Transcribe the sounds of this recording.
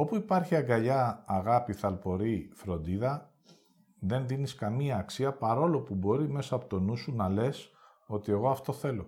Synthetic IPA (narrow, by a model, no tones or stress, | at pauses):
o̞puipɐɾçiɐɡɐʎɐːɣɐpiθɐlpo̞ɾifɾo̞nd̪iðɐ | ðe̞nðiniskɐmiɐːksiɐpɐɾo̞lo̞pubo̞ɾime̞sɐːpo̞t̪o̞nusunɐle̞s | o̞t̪ie̞ɣo̞ɐft̪o̞θe̞lo̞